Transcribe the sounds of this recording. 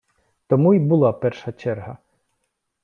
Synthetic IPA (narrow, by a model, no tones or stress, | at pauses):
t̪ɔmujbʊlˠɑpɛrʃɐt͡ʃɛrɦɐ